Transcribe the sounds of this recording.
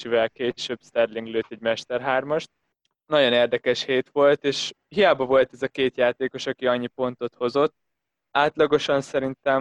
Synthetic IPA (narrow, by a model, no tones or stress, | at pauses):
t͡ʃivɛlkeːʃøbst̪ɛrliŋɡløːt̪ɛɟmɛʃt̪ɛrɦaːrmɒʃt̪̚ | nɒɟo̞neːrd̪ɛkɛʃheːt̪ʋo̞lt̪eːʃhijaːbɒvo̞lt̪ɛzɒkeːt̪jaːt̪eːko̞ʃɒkiɒɲːipo̞nt̪o̞t̪ho̞zo̞t̪ː | aːt̪lɒɡo̞ʃɒnsɛɾint̪ɛm